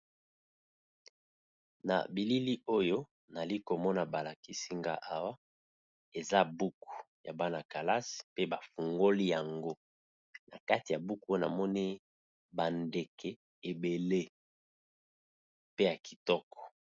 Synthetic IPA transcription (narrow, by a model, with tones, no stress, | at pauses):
na̰˨bi˨li˦li˦ʔo˦jo˦ | na˨li˦ko˨mɔ˦na˨ba˨la˨ki˨si˦ŋɡa̰˦ʔa˦wa˦ | e˨za˦bu˦ku̥˨ja˨ba˦na˨ka˨la˦si̥˨pe˦ba˨fu˨ŋɡo˦li˦ja˨ŋɡo˦ | na˨ka˦ti˨ja˨bu˦ku˦o˦jo˦na̰˨mɔ˦ni˦ | ba˨nde˨kʰɛ˨ | e˨be˨le˦ | pe˦ja˨ki̥˨tɔ˦kɔ̥˨